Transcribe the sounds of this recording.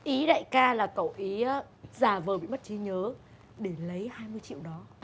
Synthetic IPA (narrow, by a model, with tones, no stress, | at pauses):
ʔi˨˦ɗa̰ː˧˨jkaː˧laː˨˩kə˧˩wʔi˨˦aː˨˦ | zaː˨˩vəː˨˩ɓḭ˧˨m˦˥t̚t͡ɕi˨˦ɲəː˨˦ | ɗe˧˩lə˨˦jhaː˧jmɨ˧əjt͡ɕḭ˧˨wɗɔ˨˦